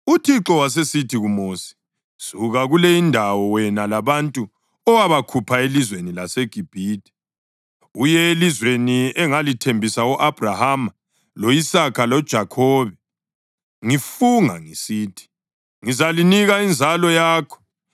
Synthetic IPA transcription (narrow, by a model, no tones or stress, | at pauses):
utʰiǁɔwas̬esitʰiɣumoːsi̥ | z̥uɣaɣuleindʱawɔwɛnalaβantʼu | ɔwaβakʰupʰaelizwenilaseɡ̥ʱib̥ʱiːtʼɛ̥ | ujɛelizweniɛŋalitʰembʱisauʔab̥ʱrahama | loisakʰalɔd̥ʒ̥ʱakʰɔːβɛ | ŋifuŋa̰ŋisiːtʰi̥ | ŋizaliniɣaind͡zʱalɔjaːkʰɔ̥